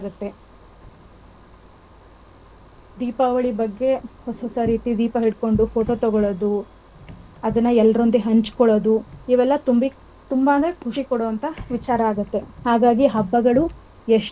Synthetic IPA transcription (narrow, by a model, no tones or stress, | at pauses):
ɡɐt̪ːe̞ | d̪iːpaːʋɐɭibɐɡːe̞hosoːsɐɾiːt̪id̪iːpɐɦiɽko̞ɳɖufoːʈoːt̪ɔɡɔɭod̪u | ɐd̪ɐnːɐɛlːɐɾond̪uɦɐɲt͡ʃkɔɭod̪uiʋɛlːɐt̪umbi | t̪umbaːɡɐkʰuʂikɔɽoːɐnt̪ʰɐʋit͡ʃaːɾɐaːɡɐt̪ːe̞haːɡaːɡiɦɐbːɐɡɐɭu | eʂ